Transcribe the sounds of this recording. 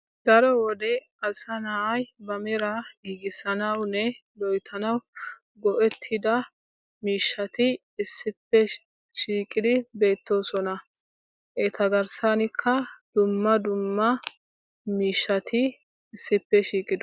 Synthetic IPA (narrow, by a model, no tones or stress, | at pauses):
d̪̥ɐɾɔwɔd̪ɛ | ɐsɐnaːʔɐjbɐmɛɾɐɡiːɡɪsɐnɐwnɛlɔjt̪ʰɐnɐw | ɡɔʔɛt̪ʰːɪd̪ɐ | miːʃːɐt̪ɪː | sːɪpːɛ | ʃiːkʼɪd̪ɪbe̞ːt̪ːo̞ːsɔnɐ | ʔeːt̪ɐɡɐɾsanɪkʰːɐd̪̥ʊmːɐd̪ʊmːɐ | miːʃːɐt̪ʰɪ | ɪsːɪpːɛʃiːkʼɪd̪